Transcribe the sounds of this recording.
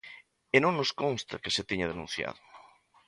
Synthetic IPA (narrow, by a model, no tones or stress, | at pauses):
enõŋnoskõnst̪a̰keset̪iɲaðenũn̟θja̰ðʊ